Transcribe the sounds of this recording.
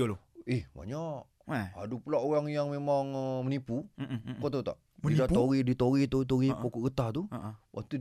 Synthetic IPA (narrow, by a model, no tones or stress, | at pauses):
olihba̰ɲaʔ | adupulaoɣaŋjaŋmemaŋmənipukot̪ot̪a̰ʔt̪idaʔt̪oɾidit̪oɾit̪oit̪̬oɾippokoʔɣət̪at̪uwʔa̰k̚t̪u